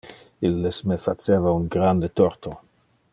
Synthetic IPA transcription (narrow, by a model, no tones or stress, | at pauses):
ilːesmefat͡seːvauŋɡɾand̪et̪oɾt̪o